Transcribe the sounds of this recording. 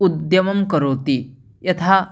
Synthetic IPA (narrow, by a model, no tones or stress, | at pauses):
ud̪jɐmɐmkəɾot̪i | jɐt̪ʰa